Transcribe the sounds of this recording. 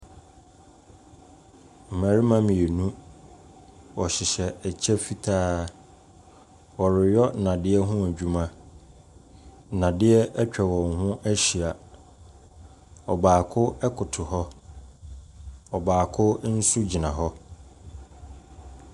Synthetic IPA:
m̩˨mã˨ɾi˦mã˦mĩ˨e˨nũ˦ | ɔ˨ɕɪ˨ɕɛ˨ɛ˨t͡ɕʰɛ˦fi˨tʰaː˦ | wɔ˨ɾɪ˨jɔ˦nã˨dɪ˦ɛ˦ɦʊ̃˦æ˨d͡ʑᶣu˦mã˦ | nã˨dɪ˦ɛ˦ɛ˦t͡ɕᶣɛ˨wɔ̃˨ŋ˨hʊ̃˦ʔæ˦ɕi˨a˨ | ɔ˨baː˨kʰʊ˦ɛ˦kʰʊ˨tʰʊ˨hɔ˦ | ɔ˨baː˨kʰʊ˦n̩˦su˦d͡ʑi˨nã˨ɦɔ˦

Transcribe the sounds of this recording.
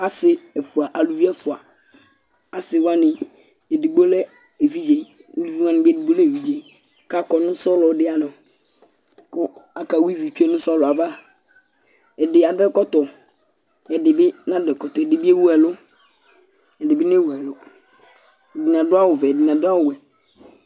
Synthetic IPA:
a˦sɪ˨ɛ˨fu˨a˨ʔa˨lu˨vi˦ɛ˦fu˨a˨ | a˨sɪ˨wa˦nɪ̃˨ | e˨di˨ɡ͡bo˦lɛ˦ | e˨vi˦d͡ʑe˨ | u˦lu˦vi˦ŋã˦nɪ̃˨bɪ˦ɛ˦di˨bo˦lɛ˦˨vi˦d͡ʒe˨ | ka˦kɔ˨nʊ̃˦sɔ˦lɔ˨˦dɪ˦a˨nʊ̃˨ | kʊ˦a˨ka˨wi˦vi˨t͡ʃᶣu˦e˦nʊ̃˦sɔ˦lʊ˨a˨va˦˨ | ɛ˨dɪ˨a˨dɛ˦kɔ˦tɔ˨ | ɛ˨dɪ˨bɪ˦nã˦dɛ˨kɔ˨t̪ɔ˨ɛ˨dɪ˨bɪ˦e˦wu˦ɛ˨lʊ˦ | ɛ˨dɪ˨bɪ˦n˦e˦wu˨ɛ˨lʊ˦ | ɛ˨di˨n˨ã˨dʊ˦a˦wʊ˨vɛ˨di˨nã˨dʊ˦a˦wʊ˨wɛ˨

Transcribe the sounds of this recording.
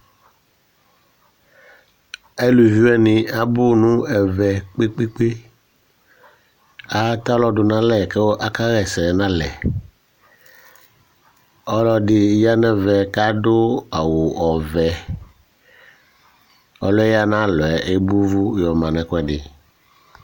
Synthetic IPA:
e˦lu˨vi˦ɛ˦nɪ̃˨a˨bʊ˦nũ˦ɛ˨vɛ˨k͡pe˦k͡pe˦k͡pe˦ | a˦t̪a˦lɔ˦dʊ˨nã˦lɛ˨ke˦wo˦ʔa˦ka˦ɣɛ˨sɛ˨nã˦lɛ˨ | ɔ˦lɔ˦dɪ˨ja˦nɛ̃˨vɛ˨ka˦dʊ˦a˨wʊ˨ɔ˨vɛ˨ | ɔ̰˦lɔ˦ɛ˦ja˦nã˦lɔ˨ɛ˨ʔe˦bu˦vu˦jɔ˨mã˨nɛ̃˨kɛ˨dɪ˨

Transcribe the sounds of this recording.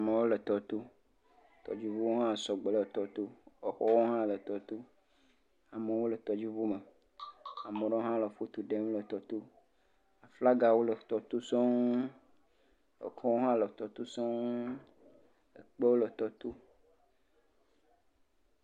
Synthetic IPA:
a˨me˨wo˦lə˨t̪ɔ˨t̪u˦ | t̪ɔ̰˨d͡ʑi˦vu˦wo˦ɦã˦˨sɔ˨ɡ͡be˨lə˨t̪ɔ˨t̪u˦ɔ˨xɔ˦wo˦ɦã˦lə˨t̪ɔ˨t̪u˦ | a˨me˨wo˦lə˨t̪ɔ˨d͡ʑi˦vo˦me˨ | a˨me˨ɖe˦wo˦ɦã˦lə˨fo˦t̪u˨ɖe˦m˦lə˨t̪ɔ˨t̪u˦ | a˨fla˦ɡa˨wo˦lə˨t̪ɔ˨t̪u˦sɔ˦ŋ | ḛ˨kɔ̃˦wo˦ɦã˦lə˨t̪ɔ˨t̪u˦sɔ˦ŋ | lə˨k͡pe˦wo˦lə˨t̪ɔ˨t̪u˦

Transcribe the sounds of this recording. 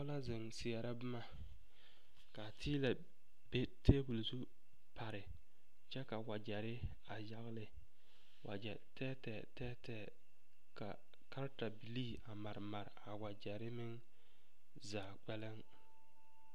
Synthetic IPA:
ʊ˦la˦zɪ˨ŋsɪ˨ɛ˨ɾa˦bʊ˦ma˨ | ka˨tʰiː˦la˨ | be˦tʰeː˦bu˨lsu˦ | pa˨ɾɪ˨ | t͡ʃɛ˦ka˨wa˨d͡ʒɛ˨ɾɪ˦ | a˨ja˨ɣɪ˨lɪ˨ | wa̰˨d͡ʒɛ˨tɛː˦tɛ˨tɛː˦tɛː˦ | ka̰˨ | ka˦ɾta˨bi˨liː˦˨a˨ma˨ɾma˨ɾɪ˨a˨wa˨d͡ʒɛ˨ɾɪ˦mɪ˦ŋ | zaː˨k͡pɛ˦lɪ˦ŋ

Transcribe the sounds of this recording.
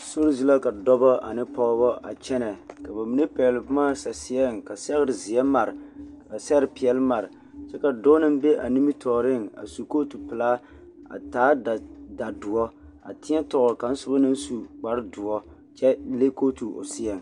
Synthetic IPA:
so˦ɾzi˦la˦ka˨dɔ˦bɔ˦a̰˨nɪ˦pɔ˦bɔ˦ʔa̰˨t͡ʃɛ˦nɛ˨ka˨ba˨mi˨ne˦pi˨ɛ˨lɨ˨pʊ˦maː˦sa˨si˨ɛ˦ŋ˨ka˨sɛ˦ɣɪ˦ɾɪ˨zɪ˨ɛ˦ma˨ɾɪ˨ka˨a˨sɛ˦ɾɨ˨pi˨ɛ˨lɨ˦ma˨ɾɪ˨ | t͡ʃɛ˦ka˨do˦nɨ˦m˦bɛ˦ʔa̰˨ni˦mi˦tʰɔː˨ɾɪ˦˨ŋ˨a̰˨su˨ko˦tu˨pɪ˨la˦ | a̰˨taː˨˦da˨da˨dʊ˨ɔ˦ | a̰˨tɪ˦ɛ˦tʊ˨ɣʊ˨ɾka˨n̩˦sʊ˦ba˦nɨ˦n˦su˨k͡pa˨ɾɪ˦dʊ˨ɔ˦ | t͡ʃɛ˦le˦ko˦tu˨o̰˨si˦ɛ˨ŋ˨

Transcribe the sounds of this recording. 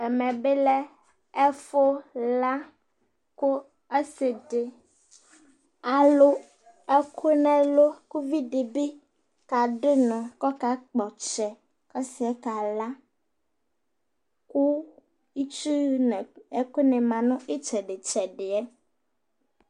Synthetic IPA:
ɛ˨mɛ̃˨be˦lɛ˦ | ɛ˦fo˦la˦ | ko˦ | e˦se˨ɖe˨ | a˨lo˦ | ɛ˦kʰo˦nɛ̃˨lo˦ku˦vi˦ɖe˨be˦ | ka˨ɖe˦nɔ̃˨kɔ˦ka˨k͡pɔ˨t͡ʃɛ˨ | kɔ˦si˨ɛ˦ka˨la˦ | ku˦ | i˦t͡ʃu˦n˨ɛ˦ko˦nɛ̃˨mã˨nũ˦ʔe˦t͡ʃɛ˨ɖe˨t͡ʃɛ˨ɖɪ˨ɛ˦

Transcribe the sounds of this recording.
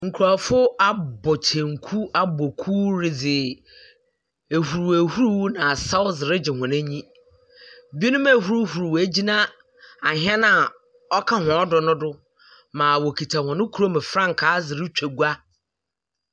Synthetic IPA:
ŋ̩˨kʰu˨ɾa˨fʊ˦a˦bɔ˨t͡ɕʰɛ̃˨ŋ̩˨kʰu˦a˦bɔ˨kʰu˦ɾɪ˨d͡zɪ˨ | e˨hu˨ɾu˨æ˨hu˦ɾu˦wnã˨sa˦wʊ˦zɪ˨ɾɪ˦d͡ʑɪ˨hɔ̃˨næ̃˦ɲĩ˦ | bi˦i˦nʊ̃˦mæ˨ɦu˦ɾu˦hu˨ɾu˨wæ˨d͡ʑi˦nã˦ | a˨ɦɛ˦nã˨ | ɔ˦kʰa˦hɔ̃˨ɔ˦dɔ˨nʊ̃˦dʊ˦ | mãː˨wɔ˨kʰi˨tʰa˨hɔ̃˨nʊ̃˦kʰu˨ɾo˦mɪ̃˨fɾã˦ŋ̩˨kʰaː˨˦zɪ˨ɾɪ˦t͡ɕᶣæ˨ɡu˦a˦

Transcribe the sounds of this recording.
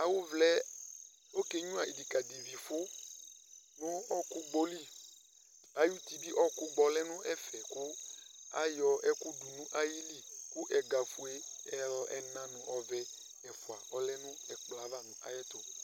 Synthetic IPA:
a˨wu˦vlɛ˦ | o˦ke˦ɲũ˦a˨i˨di˨ka˨d̪i˨vi˨fʊ˦ | nũ˦ɔ˦ku˦ɡ͡bo˦li˦ | a˨ju˦t̪i˨bi˦ʔɔ˦ku˦ɡ͡bɔ˨lɛ˦nũ˦ʔɛ˦fɛ˨kʊ˦a̰˦jɔ˨ʔɛ˦ku˦du˨nũ˦ʔa˦ji˦li˦ku˦ʔɛ˨ɡa˨fu˨e˦ | ɛ˦lɔ˦ʔɛ˦nã˦nɔ̃˨ɔ˨vɛ˦ | ɛ˨fu˨a˨ɔ˦lɛ˦nũ˦ɛ˨k͡pla˨va˦˨nũ˦ʔa̰˨jɛ˦t̪o˨

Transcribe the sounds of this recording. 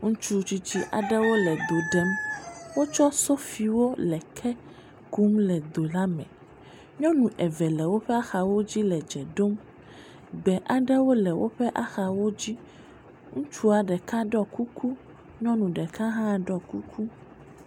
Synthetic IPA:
ŋũ˦t͡ʃu˦t͡ʃi˦t͡ɕi˦ʔa̰˨ɖɛ˦wo˦lɛ˨d̪o˨ɖɛ˨mwo˦t͡ʃɔ˦so˦fi˨wo˦lɛ˨kʰɛ˦ | ku˦mlɛ˨d̪o˨la˦mɛ̰̃˨ | ɲɔ̃˦nũ˨ʔɛ˨vɛ˨lɛ˨wo˦ɸɛ˦a˦xa˨wo˦d͡ʑi˦lɛ˨d͡ʒɛ˨ɖo˦m | ɡ͡bɛ˨ʔa˨ɖɛ˦wo˦lɛ˨wʔo̰˦ɸɛ˦ʔa˦xa˨wo˦d͡ʑi˦ | ŋũ˦t͡ʃu˦a˨ɖɛ˨ka˦ɖɔ˦ku˦kʰu˦ | ɲɔ̃˦nũ˨ɖɛ˨kã˦ɦã˦˨ɖɔ˦ku˦kʰu˦

